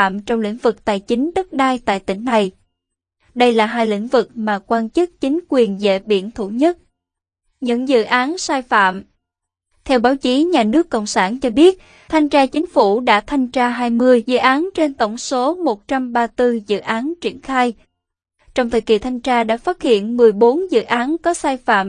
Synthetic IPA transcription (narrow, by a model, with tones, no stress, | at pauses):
a̰ː˧˨mt͡ɕɔ˧wŋ͡mlḭ˧˥ŋ̟vɨ˨˩k̚t̪a̰ː˧˨jt͡ɕï˨˦ŋ̟ɗə˦˥k̚ɗaː˧jt̪a̰ː˧˨jt̪ï˧˩ŋ̟na˨˩j | ɗə˧jlaː˨˩ɦaː˧jlḭ̈˧˥ŋ̟vɨ˨˩k̚maː˨˩kwaː˧nt͡ɕɨ˦˥k̚t͡ɕï˨˦ŋ̟kwi˨˩ənzḛ˧˨ɓḭ˧˨ənt̪ʰṵ˧˩ɲə˦˥t̚ | ɲɨ̰˧˥ŋzɨ̰˧˨ʔaː˨˦nsaː˧jfa̰ː˧˨m | t̪ʰɛ˧wɓaː˨˦wt͡ɕi˨˦ɲaː˨˩nɨ˦˥əkːo̰˧˨wŋ͡msaː˧˩nt͡ɕɔ˧ɓi˦˥ət̚ | t̪ʰa˧jŋt͡ɕaː˧t͡ɕï˨˦ŋ̟fu˧˩ɗa̰ː˧˥t̪ʰa˧jŋ̟t͡ɕaː˧ɦaː˧jmɨ˧əjzɨ̰˧˨ʔaː˨˦nt͡ɕe˧nt̪ə˧˩wŋ͡mso˨˦mo˨˩t̚t͡ɕa˧mɓaː˧t̪ɨ˧zɨ̰˧˨ʔaː˨˦nt͡ɕi˧˩ənxaː˧j | t͡ɕɔ˧wŋ͡mt̪ʰə˨˩jki˨˩t̪ʰa˧jŋt͡ɕaː˧ɗa̰ː˧˥faː˦˥t̚hḭ˧˨ənmɨ˨˩əjɓo˨˦nzɨ̰˧˨ʔaː˨˦nkɔ˨˦saː˧jfa̰ː˧˨m